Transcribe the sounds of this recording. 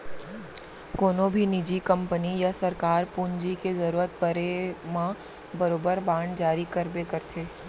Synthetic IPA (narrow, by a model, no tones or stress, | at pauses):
koːnõbʱinid͡ʒikɐ̃mpənijasɐɾkaːɾpuːɲd͡ʒikezɐɾuːɾət̪̚bəɾemã | bɐɾoːbəɾbãːɳɖd͡ʒaːɾikəɾbekɐɾt̪ʰeː